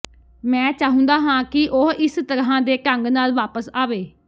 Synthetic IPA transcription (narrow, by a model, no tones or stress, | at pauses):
mɛ̃ːt͡ʃaːɦʊ̃nd̪aːɦãːkɪʔoɦɪst̪əɾɦãːd̪eːkəŋɡnaːlʋaːpəsaːʋeː